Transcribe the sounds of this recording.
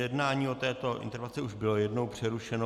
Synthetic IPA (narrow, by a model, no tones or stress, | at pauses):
jɛdnaːɲiːo̞t̪ɛːt̪o̞ʔɪ̰nt̪ɛɾvɛnt͡sɛuʒbɪlo̞jɛdnowpr̝̥ɛɾuʃɛno